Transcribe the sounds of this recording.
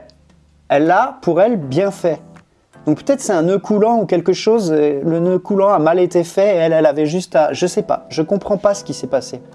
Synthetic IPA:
ɛlːapʰuʁɛlbjɛ̃fɛ | d̪̥ɔ̃k̚pø̥t̪ɛt̪χə̥sɛɛ̃nøkʰulɑ̃ukʲɛlkəʃozelənøkulɑ̃amalet̪efɛeɛlɛlavɛʒyst̪aʒəsɛpa̰ʒəkɔ̃pχɑ̃pasə̥kʲisɛpase

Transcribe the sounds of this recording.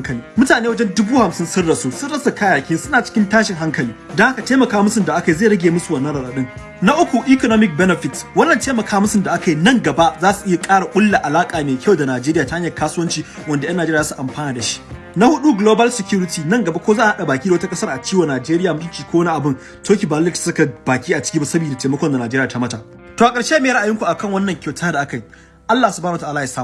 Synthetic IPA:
kɐliːmʊtaːneːwɐd͡ʒɛndʊbuːhamsɪnsʊrɽɐsusʊɽɐsakajaːkʲɪnsʊnaːt͡ʃɪ̥kʲɪntaːʃɪŋɦaŋkɐliːdɔŋhakateːmɐkaːmʊsʊndaʔakaizeːɽɐɡʲeːmʊsuwɐnːɐɾaɽɐɗɪŋ | naʔʊkʷuʔikonomɪk̚bɛnɛɸɪtwɐnːɐnteːmɐkʰaːmʊsʊndaʔakajinɐŋɡɐbaʔzaːsu̥ʔɪjakʼaːɽakʷʼʊlːaʔalaːkʼaːmeːkʲʰɐwdanaːd͡ʒeːɾɪjaːtaʔɲːɐkaːsuɐnt͡ʃiwɐndajɐnaːd͡ʒeɾsuʔamɸaːnaːdaʃi̥ | nahʊɗuɡloːbɐlsɛkʲuːɾɪtiːnɐŋɡɐbakʷozaːʔahaɗabaːkʲiːdawɐtakʼɐsɐrʔat͡ʃiːwɐnaːd͡ʒeːɾɪjaːmʊkʲiːkʷowɐniʔabɪn | tʰoːkʲibaːlɪtsʊkabaːkʲiːʔat͡ʃɪ̥kʲibasɐbiːdateːmɐkʷɔndanaːd͡ʒeɾɪaːtamɐta | toːʔakʼɐɽʃemeːɾɐʔajɪŋkʷuʔakɐŋwɐnːɐŋkʲawtʰaːdaʔakaji | ʔalːasubantaʔalajsaːm

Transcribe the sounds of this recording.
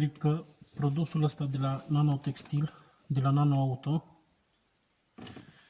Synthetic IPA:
zikːəpɾo̞d̪usuləst̪ad̪e̞lanano̞t̪e̞kst̪il | d̪e̞lanano̞aut̪o̞

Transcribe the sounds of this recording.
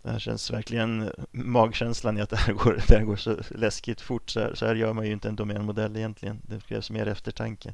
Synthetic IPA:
d̪̥ɛ̰hæ̰ːɾɕɛ̰nsvæɾklɪɡənmɑːɡɕɛnslanɪat̪̚d̪ɛhæːɾɡoːɾd̪ɛhæɾɡoːʂɔlɛskɪt̪fʊʈːsɔæ̰sɔhæːɾjœːɾmanjɵɪnt̪əɛnd̪ʊmɛːnmʊd̪ɛlːɪjɛnt̪lɪɡənd̪ɛkʰɾɛ̰ːvsmḛːɾɛft̪əʈʰaŋkə

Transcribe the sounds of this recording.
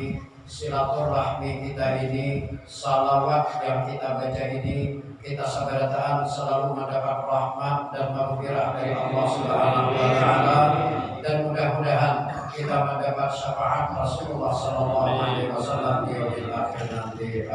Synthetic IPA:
silat̪ʊrahmikit̪ainisalawat̪̚jaŋkit̪abat͡ʃaʔinikit̪asabaɾat̪aɦansəlaluməndapat̪̚rahmat̪̚danməmufiɾahdaɾiʔɑlːɑhsəbəɦanaɦuwat̪aala | danmudahmudaɦan | kit̪aməndapat̪̚səfaʔat̪̚rasululːahsɔlalːɑɦualewasalːamdijawbilʔakɪrnant̪i

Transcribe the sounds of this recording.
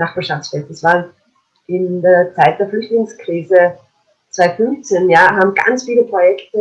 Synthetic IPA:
naχb̥aːɐʃaftt͡ssfɛtəsv̥aːn | ɪndeːɐt͡saɪt̚d̥eːɐflʏçtlɪŋskʁ̥iːzə | t͡sv̥aɪfʏnft͡senjaːɦaːbm̩ɡ̥a̰nt͡sfiːləpʁ̥ojɛktə

